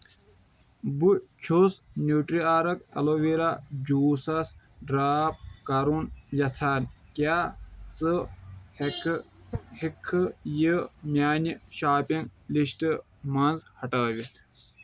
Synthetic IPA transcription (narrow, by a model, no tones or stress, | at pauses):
but͡ʃʰusnuːʈɾiaːɾɐkɐ̰loʋiɾad͡ʑuːsɐs | ɖɾaːp̚kɐɾunjɐt͡sʰaːnkʲaːt͡sɨ | hikʰːɨjəmʲaːnʲiʃaːpiŋɡliɕʈɨ | mɐnzhɐʈaːʋit̪ʰ